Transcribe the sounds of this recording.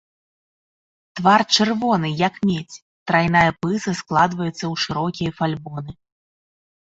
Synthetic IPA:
t̪vart͡ʂɨrvɔn̪ɨjɐkmʲet͡sʲ | t̪ɾajnajɐpɨsɐsklˠad̪vɐjut̪sːɐwʂɨɾɔkʲijɐfalʲbɔnɨ

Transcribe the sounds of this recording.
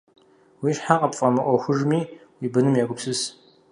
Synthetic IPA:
wiːʃħaqʼɐpfʼɐmɨʔʷɔxʷʊʐmiːwiːbɨnɨmjaːɡʷʊpsɨs

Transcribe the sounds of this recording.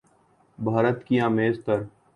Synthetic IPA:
bʱaːɾət̪kiãːmeːzt̪əɾ

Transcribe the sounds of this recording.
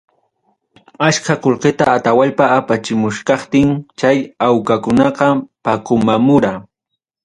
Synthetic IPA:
aʃkakolqet̪aːt̪awaʎpaːpat͡ʃɪmʊʃkɑχt̪ɪŋt͡ʃajawkakʊnɑqɑpakʊmamʊɾa

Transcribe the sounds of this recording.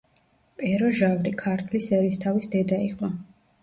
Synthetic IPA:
pʼɛɾɔʒavɾikʰaɾt̪ʰlisɛɾist̪ʰavisd̪ɛd̪aiqʼɔ

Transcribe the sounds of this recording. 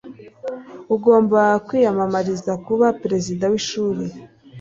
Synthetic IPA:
uɡo̞ːmbakwiːjamamaɾizakuβapɾe̞zidawiʃuːɾi

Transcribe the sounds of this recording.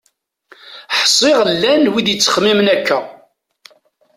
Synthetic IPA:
ħsˤːɪʁlːænwiðjət͡sːə̥χmimnækːæ

